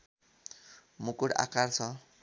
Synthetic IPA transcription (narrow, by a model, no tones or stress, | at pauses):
mukuɽa̰kart͡sʰʌ